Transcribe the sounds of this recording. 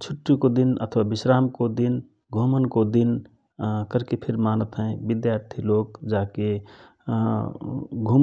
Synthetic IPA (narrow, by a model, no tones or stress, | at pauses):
t͡ʃʰʊʈːikod̪inə̰t̪ʰʋabɪʃɾaːmkod̪in | ɡʱomənkod̪in | kəɾkepʰɪɾmaːnət̪ɦɛ̃bɪd̪jaːɾt̪ʰiloːkd͡ʒaːke | ɡʱum